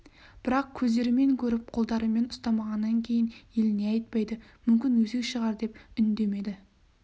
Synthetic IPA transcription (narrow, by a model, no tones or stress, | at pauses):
b̥ɪɾɑq̚kʲʰɵzd̪e̞ɾɪme̞ŋkʲʰɵɾɪp̚qʰo̞lˠd̪ɑɾəme̞nʊst̪ɑmɑʁɑnːɑŋkʲʰe̞jɪnje̞lɪneɑjt̪̚pɑjd̪əmʏmkʲɪnwɵzekʃəʁɑɾd̪e̞pʏnd̪e̞me̞d̪ɪ